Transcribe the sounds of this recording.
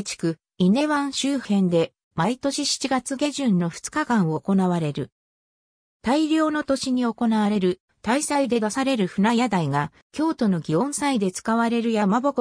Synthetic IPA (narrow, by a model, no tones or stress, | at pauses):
t͡ɕi̥kɯ̟ | ine̞βãɰ̃ɕɨːhẽ̞nd̪e̞ | mait̪o̞ɕiɕi̥t͡ɕiɡat͡sɨɡe̞ʑɨ̃nːo̞ɸɯ̟̥t͡sɨ̥kakãɰ̃o̞ːko̞naβaɾe̞ɾɯ̟ | t̪aiɾʲo̞ːno̞t̪o̞ɕiɲ̟io̞ko̞naβaɾe̞ɾɯ̟ | t̪aisaid̪e̞d̪asaɾe̞ɾɯ̟ɸɯ̟najad̪aiɡa | kʲo̞ːt̪o̞no̞ɡʲiõ̞ɰ̃said̪e̞t͡sɨ̥kaβaɾe̞ɾɯ̟jamabok